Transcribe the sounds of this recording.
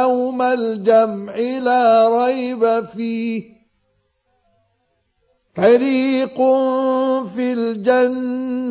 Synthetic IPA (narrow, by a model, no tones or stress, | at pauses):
awmald͡ʒamʕɪlaːɾˤɑjbafiːh | fɑɾiːqʊ | fiːld͡ʒanː